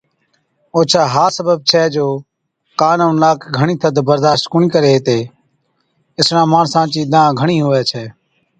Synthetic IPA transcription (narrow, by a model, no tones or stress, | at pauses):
oːt͡ʃʰaːɦaːsəbəb̚t͡ʃʰɛːd͡ʒoː | kaːnoːnlaːkɡʱəɳĩːt̪ʰəd̪bəɾd̪aːʃt̪kʊɳĩːkəɾeːɦːt̪eː | ɪsnãːmaːnsãːt͡ʃiːd̪ãːɡʱəɳĩːɦoːɛːt͡ʃʰɛː